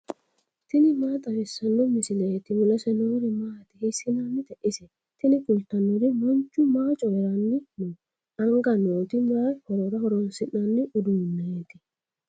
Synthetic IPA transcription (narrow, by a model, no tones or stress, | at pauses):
t̪ɪnɪmaːt̪ʼɐɾɪsːɐnːɔmɪsɪleːt̪ɪmʊlɐsɛnoɾɪmaːt̪ɪhɪsɪnanːɪt̪ɛʔɪsɛ | t̪ɪnɪkʊlt̪ɐnːɔɾɪmɔnt͡ʃːʊmaːt͡ʃʼɔɾɐnːɪnʊ | ɐŋɡɐnoːt̪ɪmʊɾahɔɾɔɾɐhɔɾɔnsɪʔɐnːɪʔʊd̪ʊmnːeːt̪ɪ